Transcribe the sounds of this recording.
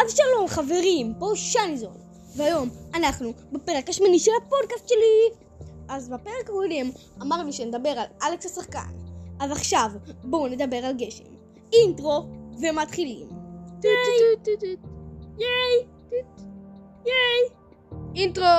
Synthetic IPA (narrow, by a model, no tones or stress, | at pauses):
ʔadʃalo̞mχave̞ʁimpo̞ʃanizo̰n | vehajo̞manaχnubepe̞ʁekaʃmaniʃelhapo̞d̚kast̪ʃe̞li | ʔazbape̞ʁekako̞d̪e̞m | amaʁnuʃened̪abe̞ʁalaleksasaχka̰nazaχʃavbone̞d̪abe̞ʁalɡe̞ʃḛm | intʁo̞ve̞mat̪χilḭm | t | jej | tt | jej | intʁo